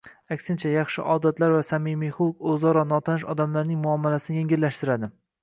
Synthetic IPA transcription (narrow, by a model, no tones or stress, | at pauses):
akʲsɪnt͡ʃʰajɑχʃɪ̰ʔɒd̪at̪laɾvasamɪmijχukɵzɒɾɒnɒt̪ʰanɪʃɒd̪amlaɾnɪŋmʊɒmːalasɪnɪjeŋɡʲɪlːaʃt̪ɪɾad̪ɪ